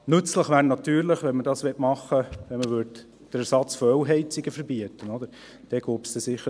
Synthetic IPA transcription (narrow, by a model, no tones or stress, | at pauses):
nɵt͡sləχʋæːɾnɑtyːɾlɪχʋɛnmədɑsʋɛtmɑχːəʋɛnməvʋʏɾd | d̥əɾæɾsɑt͡sfɔœwɦɛɪt͡sɪɡəfəɾbiətːənɔd̪əɾ | d̥ɛɡ̥oːpsd̥̪ɛsɪχːə